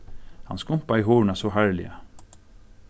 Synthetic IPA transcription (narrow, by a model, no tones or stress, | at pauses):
hɑ̰nskʊmpaiːɦoːɹɳasɔːhæɹlɪ̰ə